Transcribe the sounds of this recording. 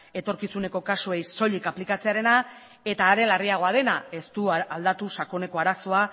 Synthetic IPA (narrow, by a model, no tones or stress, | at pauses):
e̞t̪o̞ɾkisune̞ko̞kasue̞jso̞ʎikaplikat͡se̞aɾe̞na | e̞t̪aːɾe̞lariaɣ̞o̞aðe̞nae̞st̪uald̪at̪usako̞ne̞ko̞aɾaso̞a